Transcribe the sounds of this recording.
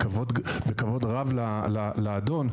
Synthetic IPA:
kavodbekavo̞dʁavlalalaːdo̞n

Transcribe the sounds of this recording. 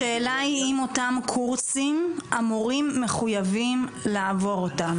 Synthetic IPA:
ʃeːlaiimo̞tamkʰuʁsimamuʁimːe̞χujavimlaːvo̞ʁotam

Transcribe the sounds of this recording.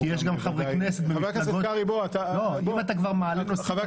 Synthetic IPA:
ijeʃɡamχavʁekneset̪̚beekɡoaʁiboat̪aloimat̪akvaʁmaaliosave

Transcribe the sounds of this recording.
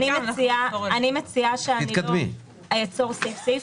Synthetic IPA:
nimesiaanimet͡siaʃeaitnikɐdmḭ | ajet͡so̞ʁsejfse

